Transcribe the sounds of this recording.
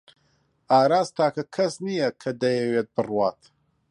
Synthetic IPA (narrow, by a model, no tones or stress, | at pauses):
aːɾaːst̪aːkɐkʰɐsnijɐkʰɐd̪ɐjɐweːt̪̚bɨrwaːt̪